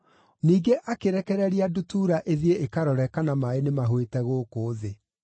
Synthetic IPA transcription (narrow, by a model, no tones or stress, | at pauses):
niːɡeʔakeɾɛkɛɾɛɾiadutuɾaʔeðieekaɾɔɾɛkanamaenemaɦwetɛɣoːkoːðe